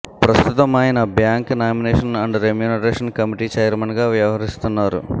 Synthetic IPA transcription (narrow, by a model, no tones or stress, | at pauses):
pɾɐst̪ut̪ɐmaːjinɐbjaːŋknaːmineːʂɐnɐɳɖɐɾemjuːnɐɾeːʂɐnkɐmiʈiːt͡ʃɐjɾmɐnɡaːʋjɐʋɐɦɐɾist̪unːaːɾṵ